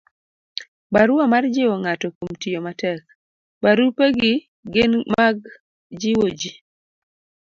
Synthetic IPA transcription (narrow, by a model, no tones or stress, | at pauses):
baɾʊamard͡ʒɪwɔŋatɔkomtɪomatɛk̚ | baɾupeɡɪ | ɡɪnmaɡ | d͡ʒɪwod͡ʒi